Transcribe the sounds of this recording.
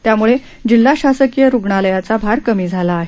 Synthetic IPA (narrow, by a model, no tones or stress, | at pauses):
t̪jamuɭe | d͡ʑilːaɕasəkjəɾuɡɳaləjat͡sabʱaɾkəmiːd͡zʱalaːɦe